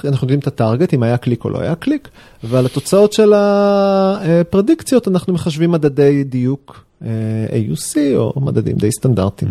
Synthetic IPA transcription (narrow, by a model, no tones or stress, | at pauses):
anaχnujodimet̪ataʁɡe̞timajaklikolo̰a̰jaklik | valat̪o̞t͡sao̞tʃe̞la | epʁedikt͡sjo̞tanaχnumeχaʃvimːad̪ade̞jd̪ijuk | eḛjṵsio̞̰ma̰d̪adḭmd̪ejst̪anda̰ʁt̪im